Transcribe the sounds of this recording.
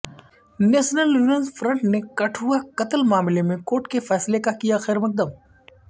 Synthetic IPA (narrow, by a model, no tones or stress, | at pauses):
neːʃnəljuːnənzfʰɾə̃ɳʈnekɐʈʰɦʊakɐt̪əlmaːmɪlemẽkoːʈkefɛːslekakijaxɛːɾmɐk̚d̪əb